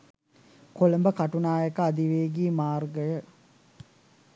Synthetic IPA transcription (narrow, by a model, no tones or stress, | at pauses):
koləmbəkaʈunaːjekəad̪iʋeːɡiːmaːrɡəjə